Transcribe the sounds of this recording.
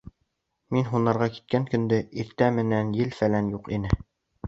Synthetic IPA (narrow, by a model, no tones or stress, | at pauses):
minɦunːɑɾʁɑki̥t̪̚kæŋkɵ̆nd̪ɘʔiɾt̪æmɘ̆nænjɘlfælænjuqinɘ